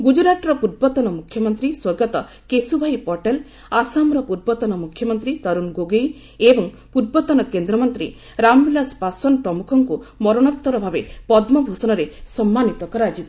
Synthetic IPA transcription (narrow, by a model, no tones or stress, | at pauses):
ɡud͡ʒɾaʈɾɔpuɾbɔt̪ɔnɔmukʰjɔmɔnt̪ɾiswɔɾɡɔt̪ɔ | kesubʱajpɔɾʈel | asamɾɔpuɾbɔt̪ɔnɔmukʰjɔmɔnt̪ɾit̪ɔɾunɡoɡej | ebɔŋ | puɾbɔt̪ɔnɔkend̪ɾɔmɔnt̪ɾḭ | ɾambilaspasɔnpɾɔmukʰɔŋkumɔɾɔnɔt̪ːɔɾɔbʱabepɔd̪mɔbʱusɔnɔɾesɔmːanit̪ɔkɔɾɔad͡ʒit̪